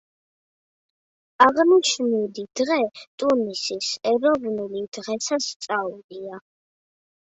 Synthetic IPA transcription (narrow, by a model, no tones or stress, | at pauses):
aʁniʃnud̪id̪̥ʁɛt̪ʼunisisɛɾɔvnulid̪̥ʁɛsʰast̪sʼaulia